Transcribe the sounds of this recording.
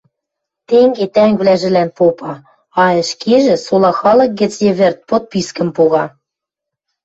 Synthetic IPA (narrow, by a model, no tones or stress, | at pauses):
t̪eŋɡet̪æŋβlæʒɘ̆lænpopɑ | ɑɘ̆ʃkeʒɘ̆solˠɑxɑlɤ̆k̚ɡɘ̆t͡sjĕβɘ̆rt̪̚pot̪̚piskə̆mpuɣɑ